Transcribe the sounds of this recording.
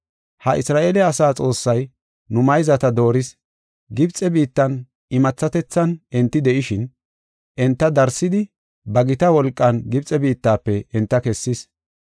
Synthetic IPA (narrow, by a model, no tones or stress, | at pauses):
hɐʔɪsɾaːʔeːlɛɐsaːt͡sʼo̞ːsːɐj | nʊmɐjzɐt̪ɐd̪o̞ːɾɪs | ɡɪbt͡sʼːɛbiːt̪ːɐn | ɪmɐt͡sːɐt̪ɛt͡sːɐnɛnt̪ːɪd̪ɛʔɪʃɪn | ʔɛnt̪ːɐd̪ɐɾsɪd̪ɪ | bɐɡɪt̪ɐwɔlkʼːɐnɡɪbt͡sʼɛbiːt̪ːaːpːɛʔɛnt̪ːɐkɛsːɪs